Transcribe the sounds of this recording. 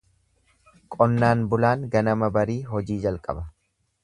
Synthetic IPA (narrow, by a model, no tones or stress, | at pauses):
kʼɔnːaːnbʊlaːŋɡɐnɐmɐbɐɾiːɦɔd͡ʒiːd͡ʒɐlkʼɐ̰bɐ